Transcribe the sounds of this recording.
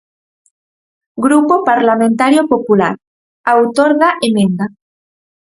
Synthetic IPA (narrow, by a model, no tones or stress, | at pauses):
ɡɾupopaɾlamẽnt̪aɾjopopula̰ɾ | awt̪oɾɣaʔemẽnd̪a